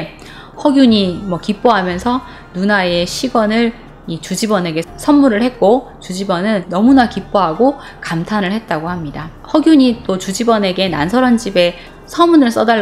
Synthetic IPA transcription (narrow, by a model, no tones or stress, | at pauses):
hʌɡjuɲimwʌkip͈oɦamjʌnsʰʌ | nunae̞ɕʰiɡʌnɯɭ | it͡ɕud͡ʑibʌne̞ɡe̞sʰʌnmuɾɯɭhe̞t̚k͈o | t͡ɕud͡ʑibʌnɯnːʌmunakip͈oɦaɡo | kamtʰanɯɭhe̞t̚t͈aɡohamɲidahʌɡjuɲit͈ot͡ɕud͡ʑibʌne̞ɡe̞na̰nsʰʌɾʌnd͡ʑibe̞ | sʰʌmunɯɭs͈ʌda